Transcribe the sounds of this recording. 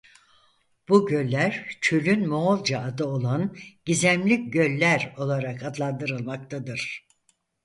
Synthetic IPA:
b̥uɟølʲːæɾt͡ʃʰølʲynmoolˠd͡ʒaːd̪ɯo̞lˠanɟ̥izæmlʲicɟølʲːæɾo̞lˠaɾakad̪lˠand̪ɯɾɯlˠmak̚t̪ʰad̪ɯɾ̥

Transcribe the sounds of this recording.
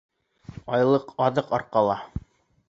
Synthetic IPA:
ɑjlˠɤqʰɑðɤqɑɾqɑlˠɑ

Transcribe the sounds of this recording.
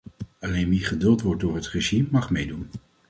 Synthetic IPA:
ɑlejnʋiχədɵlˠtʋɔɹt̚dʊːɹɦətreʒimːɑχmejdun

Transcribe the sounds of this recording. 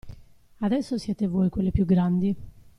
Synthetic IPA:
ad̪ɛsːosjɛːt̪evojkwelːepjuɡɾand̪i

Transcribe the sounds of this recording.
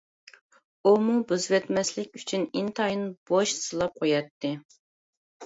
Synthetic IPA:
umubuzvɛt̪mɛslɪkʲyt͡ʃʰynint̪ʰɑjɨnb̥oʃsɨlˠɑp̚qʰojɑt̪ʰːɨ

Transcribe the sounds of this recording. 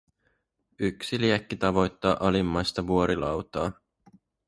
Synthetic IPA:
yksiliɛkːit̪ɑʋo̞jt̪ːɑːʔɑlimːɑjst̪ɑʋuoɾilɑwt̪ɑː

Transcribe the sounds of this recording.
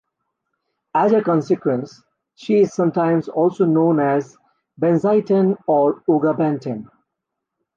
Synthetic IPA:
æzəkɔ̃nsɪkwə̃ns | ʃiɪzsʌ̃mʈãɪ̃mzɔːlsoːnõːnæz | bɛ̃nzaɪʈə̃nɔːɾoːɡabæ̃nʈʰə̃n

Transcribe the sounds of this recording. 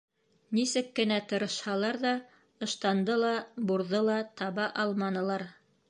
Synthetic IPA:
nisɘkːɘ̆næt̪ɤ̆ɾɤ̆ʃhɑlˠɑɾðɑ | ɤ̆ʃt̪ɑnd̪ɤlˠɑbuɾðɤlˠɑt̪ɑβɑʔɑlˠmɑnɤ̆lˠɑɾ

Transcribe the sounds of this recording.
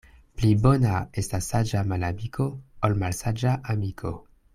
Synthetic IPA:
plibonaestasːad͡ʒamalamikʰo̞olmalsad͡ʒaʔamikʰo̰

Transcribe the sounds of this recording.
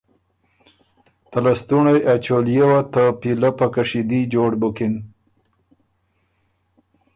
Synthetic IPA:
t̪alast̪uɳajat͡ʃoljawat̪apilapakaʂid̪id͡ʒoɖbʊkɪn

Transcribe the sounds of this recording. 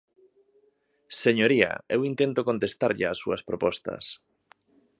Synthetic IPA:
seɲoɾiɐ̰ewint̪ent̪okont̪est̪aɾʎɪasːuɐspɾopɔst̪ɐ̰s

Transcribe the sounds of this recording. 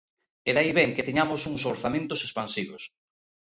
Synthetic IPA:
eðaiβɛŋket̪eɲamosuŋs̬oɾθamẽnt̪ʊsespansiβos

